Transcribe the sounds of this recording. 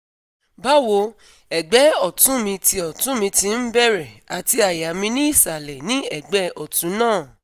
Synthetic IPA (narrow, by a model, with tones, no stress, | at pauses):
ba˦wo˧ | ɛ˨ɡ͡bɛ˨˦ɔ˦˨tũ˨˦mĩ˧ti˧ɔ˨tũ˨˦mĩ˧tĩ˧n̩˦bɛ˦˨ɾɛ˨a˨ti˧a˨ja˨mĩ˧nĩ˦i˦˨sa˨lɛ˨nĩ˦ɛ˨ɡ͡bɛ˨˦ɔ˨tũ˨˦nãː˦˨